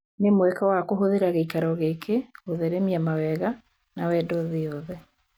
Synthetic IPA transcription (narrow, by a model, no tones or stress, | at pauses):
nemwɛkawakoɦoðeɾaɣeikaɾɔɣekʰeoðeɾemiamawɛɣa | nawɛdɔðeɔðɛ